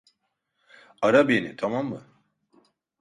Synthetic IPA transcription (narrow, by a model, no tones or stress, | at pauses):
aɾabenḭt̪ʰamamːɯ